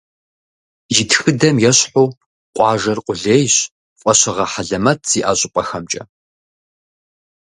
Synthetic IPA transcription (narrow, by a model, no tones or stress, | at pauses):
jɪtxɨdɐmjɛɕħuː | qʷʼɑːʒɐrqʷʼʊɮeːjɕ | fʷʼɔɕɐʁɐħaɮɐmɐtʰz̥iːʔa̰ːɕʼɪpʼɐxɐmt͡ʃʼɐ̰